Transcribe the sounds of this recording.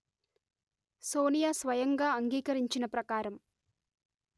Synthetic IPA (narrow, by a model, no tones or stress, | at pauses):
soːnijaːsʋɐjɐŋɡaːɐŋɡiːkɐɾiɲt͡ʃinɐpɾɐkaːɾɐm